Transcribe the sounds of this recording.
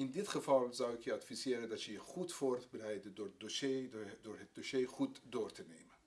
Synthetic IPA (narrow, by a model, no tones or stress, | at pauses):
ɪndɪtχəvɑlˠzɑwɪkjəɑtfizɪːɾəndɑtjəjəχutfoːrtbərɛjdəndoːrədoʃedoːrɦət̚doʃeːχutdoːrtənejmən